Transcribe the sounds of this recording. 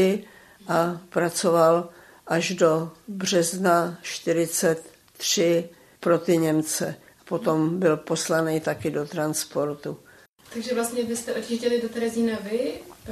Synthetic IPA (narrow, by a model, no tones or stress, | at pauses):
ɪ | ʔapɾat͡so̞val | ʔaʒdo̞brɛznaʃt̪ɪɾɪt͡sɛt̪ː | r̥ɪ | pɾo̞t̪ɪɲɛmt͡sɛ | apo̞t̪o̞mbɪlpo̞slanijt̪akɪdo̞t̪ɾanspo̞ɾt̪u | t̪aɡʒɛvlast̪ɲɛvɪst̪ɛʔocɪʒɟɛlɪdot̪ɛɾɛzinavɪ